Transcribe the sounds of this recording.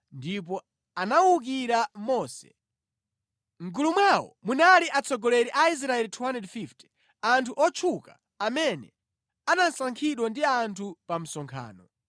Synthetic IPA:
ndip̬ɔ | anawuk̬iɾamɔːsɛ̰ | ŋ̩ɡulumwawɔ̰munaliʔat͡sʰɔɡɔlɛɾiʔais̬ɾaɛlitʰuwandɛdfiftʰi̥ | antʰuʔɔt͡ʃʰukaː | mɛnɛ̰ | anansaŋkʰiɗwandiantʰupam̩sɔŋkʰa̰ːnɔ

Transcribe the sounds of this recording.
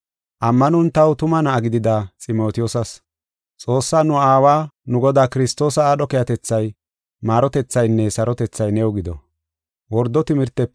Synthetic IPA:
ʔɐmːɐnʊnt̪ɐwt̪ʊmɐnɐːɡɪd̪ɪd̪at͡sʼɪmo̞ːt̪ɪjosɐs | t͡sʼo̞ːsːaːnʊaːwaːnʊɡɔd̪aːkɪɾɪst̪ːo̞ːsɐːɗɔkɛjɐt̪ɛt͡sːɐj | maːɾɔt̪ɛt͡sːɐjnːɛsɐɾʔɔt̪ɛt͡sːɐjnɛwɡɪd̪ɔ̰ | wɔɾd̪ːɔt̪ɪmɪɾt̪ːɛ

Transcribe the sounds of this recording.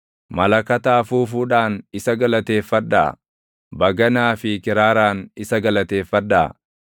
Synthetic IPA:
mɐlɐkɐt̪aːfuːfuːᶑaːnɪsɐɡɐlɐt̪e̞ːfːɐd̪ːɐ̰ʔɐ̰ | bɐɡɐnaːfɪkɪɾaːɾaːnɪsɐɡɐlɐt̪e̞ːfːɐd̪ːɐʔɐ̰

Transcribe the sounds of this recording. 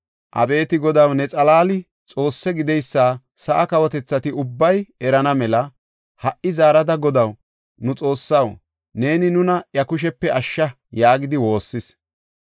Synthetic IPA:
ʔɐ̰be̞ːt̪ɪɡɔd̪ɐwnɛt͡sʼɐlaːlɪ | t͡sʼo̞ːsːɛɡɪd̪ɛjsːaː | sɐʔɐkɐwɔt̪ɛt͡sːɐt̪ɪʊbːɐjɛɾɐnɐmɛlɐ | hɐʔːɪzaːɾɐd̪ɐɡɔd̪ɐw | nʊt͡sʼo̞ːsːɐw | ne̞ːnɪnʊnɐʔjɐkʊʃ̬ɛpːɛʔɐʃːɐ | jaːɡɪd̪ɪwo̞ːsːɪs

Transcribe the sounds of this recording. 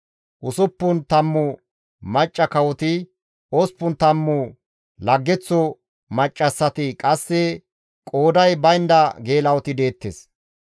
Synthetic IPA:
ʔʊsʊpːʊnt̪ɐmːʊ | mɐt͡ʃʼːɐkɐwɔt̪ɪ | ɔspːʊnt̪ɐmːʊ | lɐɡːɛt͡sːɔ | mɐt͡ʃʼːɐsːɐt̪ɪkʼɐsːɛ | kʼoːd̪ɐjbɐjnd̪ɐɡeːlɐwɔt̪ɪd̪e̞ːt̪ːes

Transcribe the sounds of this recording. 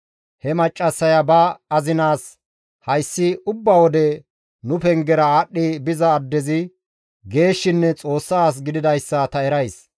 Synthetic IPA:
hɛmɐt͡ʃʼːɐsːɐjɐbɐɐzɪnaːs | hɐjsːɪʊbːɐwɔd̪ɛ | nʊpɛŋɡɛɾɐaːɗːɪbɪzɐːd̪ːɛzɪ | ɡe̞ːʃːɪnːɛt͡sʼo̞ːsːaːs̬ɡɪd̪ɪd̪ɐjsːɐt̪ɐɛɾɐjs

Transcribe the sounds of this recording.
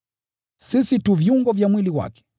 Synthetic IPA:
sisituvjuŋɡɔvjamwiliwa̰kɛ̥

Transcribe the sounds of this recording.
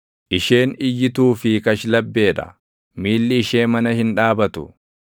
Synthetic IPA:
ʔɪʃe̞ːnɪjːɪt̪uːfɪkɐʃlɐbːe̞ːᶑɐ̰ | miːlːɪːʃe̞ːmɐnɐhɪnᶑaːbɐt̪ʊ̰

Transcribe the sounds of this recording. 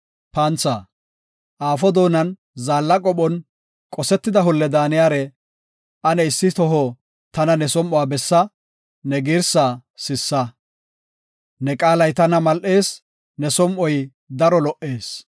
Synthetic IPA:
pɐnt͡sːa | ʔaːfɔd̪o̞ːnɐn | zaːlːɐkʼɔɓɔn | kʼɔsɛt̪ːɪd̪ɐɦʊlːɛd̪aːnɪjaːɾɛ | ʔɐnɛɪsːɪt̪ɔɦɔ | t̪ɐnɐnɛsɔmʔɔwaːbɛsːɐ | nɛɡiːɾsaːsɪsːɐ | nɛkʼaːlɐjt̪ɐnɐmɐlʔe̞ːs | nɛsɔmʔɔj | d̪ɐɾɔlɔʔe̞ːs

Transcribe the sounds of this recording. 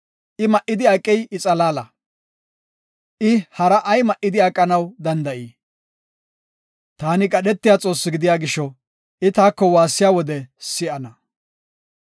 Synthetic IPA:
ʔɪmɐʔːɪd̪ɪɐkʼːɛjʔɪt͡sʼɐlaːlɐ | ʔɪhɐɾɐʔɐjmɐʔːɪd̪ɪɐkʼːɐnɐwd̪ɐnd̪ɐʔiː | t̪aːnɪkʼɐɗɛt̪ːɪjaːt͡sʼo̞ːsːɪɡɪd̪ɪjaːɡɪʃːɔ | ʔɪt̪aːkːɔwaːsːɪjaːwɔd̪ɛsɪʔɐnɐ

